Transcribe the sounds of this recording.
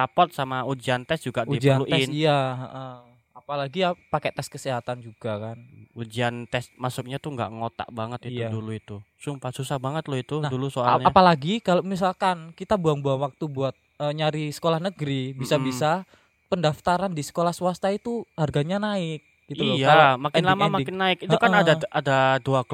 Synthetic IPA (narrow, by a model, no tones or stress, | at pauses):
apɔt̪̚samaud͡ʒiant̪ɛsd͡ʒuɡauid͡ʒianluʔɛsnijaʔə | apalaɡiapakɛt̪ɛskəseɦat̪and͡ʒuɡ̥akanud͡ʒiant̪ɛsmasʊk̚ɲat̪uŋɡa̰ʔŋot̪a̰ʔbaŋət̪̚iijtuaduluit̪usumpasusahbaŋət̪loit̪unadulusoaɲapalaɡikaloʔmis̬alkankit̪abuaŋbuanwak̚t̪ubuat̪̚əɲaɾisə̥kolahnəɡɾibisabisa | pəndaft̪aɾandisə̥kolahswast̪ait̪uharɡaɲanaɪk̚ɡ̥it̪uljaamakɪnlamamaŋɪnːaɪkit̪uʔkanadaadaduak